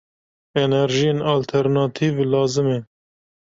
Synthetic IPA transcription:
ɛnɛɾʒijeːnɑːlt̪ʰɛɾnɑːt̪ʰivlɑːzɨme

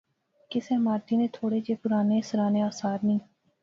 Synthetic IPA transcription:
kɪsẽːmaːɾt̪iːnẽːt̪ʰoːɽeːd͡ʒeːpʊɾaːneːsɾaːneaːsaːɾnĩː

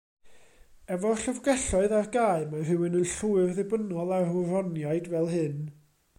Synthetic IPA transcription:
ɛvɔɬəvɡɛɬɔɨðarɡaːɨmar̥ɨwɪnənɬuɨrðɪbənɔlˠarʊrɔnjaɨdvɛlˠɦɨn

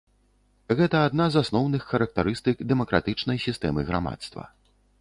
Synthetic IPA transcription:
ɣɛt̪ɐaːd̪nazasnɔwnɨxːɐɾɐk̚t̪aɾɨst̪ɨkd̪ɛmɐkɾa̰t̪ɨt͡ʂnɐjsʲist̪ɛmɨɣɾa̰ma̰t̪st̪vɐ̰

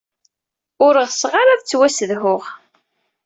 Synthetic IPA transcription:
ʊɾəʁsʁaɾaðt͡sːwæsəðhʊʁ

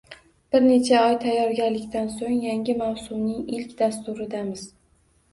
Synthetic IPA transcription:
b̥ɪɾne̞t͡ʃʰaɒjt̪ʰajːɒɾɡʲaɾlɪkʲt̪ansoŋjaŋɡʲɪmawsʊmnɪŋɪlkʲd̪ast̪ʊɾɪd̪amɪz̥

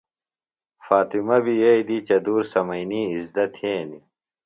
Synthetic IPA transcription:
faːt̪imɐbijɐjd̪it͡ɕɐd̪uːɾsɐmɐjniːzd̪ɐt̪ʰẽːni

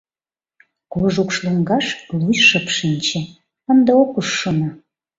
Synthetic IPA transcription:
koʒukʃluŋɡɑʃlujʃəpʃinʲt͡ɕĕ | ənd̪eokuʃːonɑ

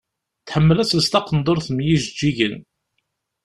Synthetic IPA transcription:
θħəmːəlæsəst̪ɑqənd̪ˤoɾθmjiʒd͡ʒːiʝən

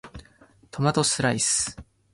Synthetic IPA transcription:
t̪ʰo̞mat̪osɨɾaisɨ̥

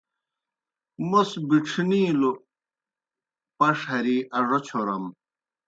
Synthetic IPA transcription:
mosbiʈ͡ʂʰniːlo | pɐʂɦɐɾiʔɐʐot͡ɕʰoɾɐ̰m

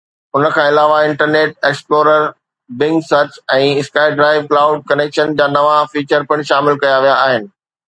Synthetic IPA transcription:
ʊnə̆kʰãːɪlaːʋaɪ̃ɳʈəɾneːʈ̚eːksploːɾəɾ | bɪ̃ŋɡsɐt͡ɕɛ̃ːɪskaːɪɖɾaːɪʋklaːʊɖ̚kɐneːkʃənd͡ʑaːnɐʋafiːt͡ɕəɾpɐɽ̃ʃaːmɪlkɐjaʋijaːɦɪnɪ̆

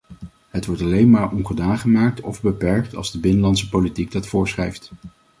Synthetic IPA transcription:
ɦətʋɔɹtɑlejnmaːɹɔnχədaːnχəmaːk̚tɔvbəpɛɹk̚tɑ̰lˠzdəbɪnəlɑntsəpolitiɡ̚dɑtfʊːɹsχrɛjft

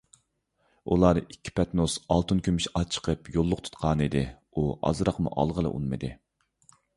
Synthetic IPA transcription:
ṵlˠɑɾikʲʰːi̥pʰɛt̪nosɑlˠt̪ʰunkʲʰymiʃɑt͡ʃʰə̥qʰəpjolˠːʊqt̪ʰu̥t̪qʰɑːnid̪ɪ | uɑ̰zɾɑqmṵʔɑ̰lˠʁəlˠɨ̰ʔṵnmɨ̰d̪ɪ

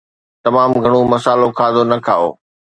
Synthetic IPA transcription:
t̪ɐmaːmɡʱɐɽ̃omɐsaːlokʰaːzonɐkʰaːo̰ː

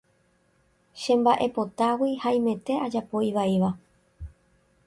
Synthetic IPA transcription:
ʃẽ̞mbaʔe̞po̞t̪awihaj̃mẽ̞t̪e̞ʔad͡ʒapo̞iʋaiʋa

